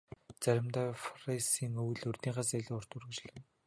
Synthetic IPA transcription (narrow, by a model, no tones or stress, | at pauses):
t͡sæɾʲɪ̆mt̪aːfrisiːŋɵwɮɵrʲt̪iːɢasæɮəːʊr̥t̪urɣ̆t͡ɕɮɘ̆n